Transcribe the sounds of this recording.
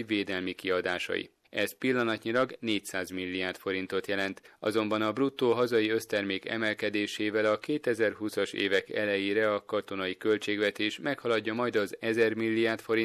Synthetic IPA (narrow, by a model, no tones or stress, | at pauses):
veːd̪ɛlmikiɒd̪aːʃɒ̰jḭ | ɛzpilːɒnɒt̪ɲilɒɡneːcsaːzmilːiaːrt̪fo̞ɾin̪t̪o̞t̪jɛlɛnt̪ɒ̰zo̞mbɒnɒbrut̪ːoːɦɒzɒjiø̞st̪ɛrmeːkɛ̰mɛlkɛd̪eːʃeːvɛlɒkeːt̪ɛzɛrɦusɒʃḛːvɛkɛ̰lɛjeːɾɛɒkɒt̪o̞nɒjikø̞lt͡ʃeːɡʋɛt̪eːʃmɛkhɒlɒɟːɒmɒjd̪ɒzɛzɛrmilːijaːrt̪fo̞ɾi